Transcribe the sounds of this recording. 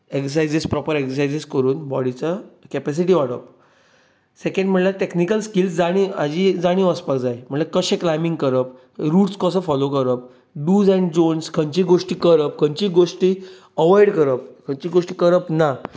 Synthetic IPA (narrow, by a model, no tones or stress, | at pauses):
eksəsajd͡zispɾɔpəɾeksəsajd͡ziskəɾuːnbɔɽit͡sakɛpɛs̬iʈ̬iːʋaɽə̰p̚ | sekẽɳɖm̤əɳʈlaʈeknikəlskilsd͡zaɽ̃iad͡ʑiːd͡zaɽ̃ĩʋəspakd͡zajm̤əɳʈlakəɕẽklajmiŋɡkəɾəp | ɾuːʈskɔsəfɔlokəɾəp̚ | ɖuːd͡zɛ̃ɳɖd͡ʑonskʰə̃ɲt͡ɕiːɡoʂʈiːkəɾəp̚kʰə̃ɲt͡ɕiːɡoʂʈiː | əʋɔjɽkəɾəp̚kʰəɲt͡ɕiːɡoʂʈiːkəɾəpna